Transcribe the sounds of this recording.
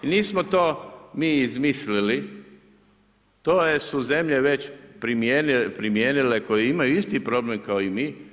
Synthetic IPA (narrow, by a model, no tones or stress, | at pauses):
niːsmot̪oːmiːizmislili | t̪oːjesuze̞mʎeʋe̞t͡ʃpɾimjenipɾimjeːnileko̞jeimajuist̪ipɾo̞blemkaoimiː